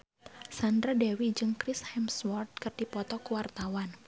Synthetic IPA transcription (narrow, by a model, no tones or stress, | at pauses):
sand̪ɾadɛwid͡ʒɨŋkɾishɛmswɔrt̪̚kərd̥ipɔt̪ɔkuwart̪awan